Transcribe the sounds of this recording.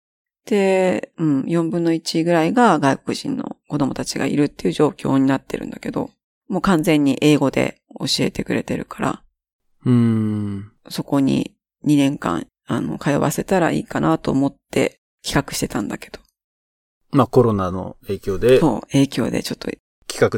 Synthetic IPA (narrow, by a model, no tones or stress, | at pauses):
d̪̥e̞ɯ̟̃ɴjõ̞mbɯ̟̃nːo̞it͡ɕiɡɯ̟ɾaiɡaɡaiko̞kɯ̟ʑḭ̃nːo̞̰ko̞d̪o̞mo̞t̪at͡ɕiɡa̰ḭɾɯ̟t̪ːe̞iɯ̟ʑo̞ːkʲo̞̰ːɲ̟inat̪ːe̞ɾɯ̟̰̃nd̪ake̞d̪o̞̰ | mo̞ːkãnzẽ̞ɲ̟ːiʔe̞ːɡo̞d̪e̞̰o̞ɕie̞̰t̪e̞kɯ̟ɾe̞t̪e̞ɾɯ̟kḁɾa̰ | ɯ̟̃ː | so̞ko̞ɲ̟ḭ | ɲ̟inẽ̞ŋkã̰ŋ | ano̞̰kajoβa̰se̞t̪aɾaḭːkanʔat̪o̞ːmo̞t̪ːe̞̰ | kʲi̥kakɯ̟̥ɕi̥t̪e̞t̪ãnd̪ake̞̥d̪̥o̞̥ | mako̞ɾo̞nano̞̰e̞ːkʲoːd̪eso̞̰ːe̞ːkʲo̞ːd̪e̞̰t͡ɕo̞t̪ːo̰ | kʲi̥kakɯ